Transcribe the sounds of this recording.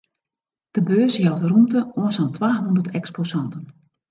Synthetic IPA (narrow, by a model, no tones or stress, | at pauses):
d̥əbøːsjɔwtrumtəoənsantʰʋaːnundərtɛksposɑntən